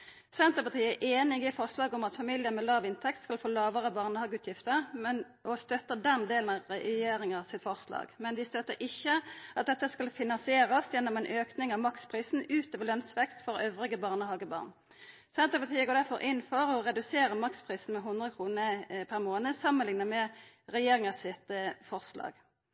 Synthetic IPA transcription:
sɛnt̪əpɑt̪ʰiːəæʔeːnɪɡɪfɔʁslɑːɡɔmɑt̪fɑmɪlɪəmɛlɑːʋɪnt̪ʰɛk̚t̪skɑlfoːlɑːʋəʁəbɑːʁnəhɑːɡʉːt̪ʰjɪft̪əʁmɛn | ʔɔst̪œt̪əd̪ɛnd̪eːlnɑʁɛjeːɾɪŋəsɪt̪fɔʁslɑ̰ːɡmɛnʋɪst̪œt̪ːəɾʔɪçːəʔɑt̪̚d̪ɛt̪ːəskɑlfɪnɑnsɪeːɾɑsjɛnːɔmɛnʔøːknɪŋɑʋmɑkspʰʁiːsn̩ʉːt̪oːʋəlœnsʋɛkst̪fɔɾøːʋʁɪɡəbɑːʁnəhɑːɡəbɑ̰ʁn | sɛnt̪əpɑt̪ʰiːəɡoːd̪æʁfɔɾʔɪnːfɔʁɔʁɛd̪ʉseːɾəmɑkspʰʁiːsn̩mɛɦʊnd̪ʁəəkʰʁuːnəpʰæʁmoːnəsɑmːənlɪŋnəmɛ | ʁɛjeːɾɪŋəsɪt̪fɔʁslɑ̰ːɡ

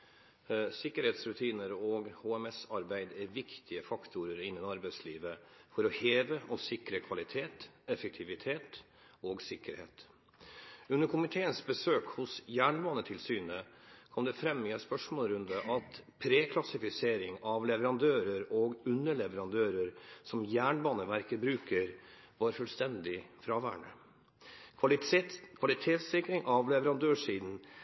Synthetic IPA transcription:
sɪkːəɾheːt̪sɾʉt̪ʰiːnəɾoːɡhoːɛmɛsɑɾbæɪd̪æɾʋɪkt̪ʰɪəfɑkt̪ʰʊɾəɾɪnːənɑɾbæɪsliːʋəfɔɾɔheːʋəɔsɪkɾəkʰʋɑlɪt̪ʰeːt̪ɛfək̚t̪ʰɪʋɪt̪ʰeːt̪ | oːɡsɪkːəɾhḛːt̪ | ʉnːəɾkʰʊmɪt̪ʰeːənsbəsøːkhʊsjæːɳʋɑːnət̪ʰɪlsyːnəkʰɔmd̪ɛfɾɛmːɪɛspœʂmoːlɾʉnd̪əʔɑt̪pʰɾeːkʰlɑsɪfɪseːɾɪŋɑʋlɛʋəɾɑnd̪øːɾəɾoɡʉnːəɭɛʋəɾɑnd̪øːɾəɾsɔmjæːɳbɑːnəʋæɾkəbɾʉːkəɾ | ʋɑɾfʉlst̪ɛnd̪ɪfɾɑːʋæ̰ːɳə̰ | kʰʋɑlɪt̪ʰeːt̪sɪkɾɪŋʔɑʋlɛʋəɾɑnd̪øːʂiːd̪n̩

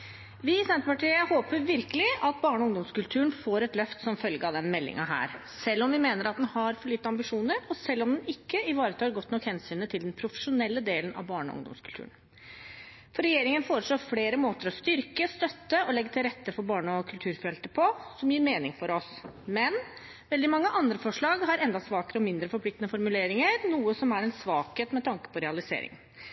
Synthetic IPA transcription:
ʋɪɪsɛnt̪əpɑʈʰiːəhoːpəɾʋɪɾkəlɪʔɑt̪̚bɑːɳəɔʊŋd̪ɔmskʉlt̪ʰʉːəɳfoːɾɛt̪lœft̪sɔmfœlɡəɑʋd̪ɛnmɛlːɪ̰ŋɑ̰ɦæ̰ːɾ | sɛlːɔmʋɪmeːnəɾɑt̪̚d̪ɛnhɑɾfɔɭyːt̪ːəɑmbɪʂuːnəɾɔsɛlːɔmd̪ɛnɪkːəɪʋɑːɾət̪ʰɑːɾɡɔt̪ːnɔkhɛnsyːnət̪ʰɪld̪ɛnpʰɾʊfə̥ʂʊnɛlːəd̪eːlənɑ̰ʋbɑːɳəɔ̰ʊ̰ŋd̪ɔ̰mskʰʉlt̪ʰʉ̰ːən | fɔɾɛjeːɾɪŋənfoːɾəʂɭoːfleːɾəmoːt̪əɾɔst̪ʏɾkəst̪œt̪ːəʔɔlɛɡːət̪ʰɪlɾɛt̪ːəfɔɾbɑːɳəɔkʰʉlt̪ʰʉːɾfɾɛlt̪əpʰɔsɔmjiːɾmeːnɪŋfɔɾɔsmɛn | ʋɛld̪ɪmɑŋːəʔɑnd̪ɾəfɔʂɭɑːɡhɑɾɛnd̪ɑsʋɑːkəɾəɔmɪnd̪ɾəfɔɾplɪk̚t̪nəfɔɾmʉleːɾɪŋəɾnuːəsɔmæɾɛnsʋɑːkheːt̪mɛt̪ʰɑŋkə̥pʰɔɾɛɑlɪsḛːɾɪ̰ŋ

